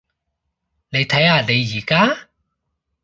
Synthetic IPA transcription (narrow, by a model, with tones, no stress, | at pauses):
ne˨˧jt̪ʰɐ˨˥jaː˧ne˨˧jːiː˨˩kaː˥